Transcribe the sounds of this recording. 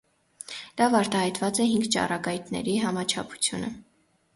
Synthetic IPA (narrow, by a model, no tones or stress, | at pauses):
d̪̥ɑvɑɾt̪ɑhɑjt̪vɑt͡sɛɦiŋɡt͡ʃɑ̰rɑɡɑjt̪nɛ̰ɾiɦɑmɑt͡ʃʰɑ̰pʰu̥t͡sʰjunə̰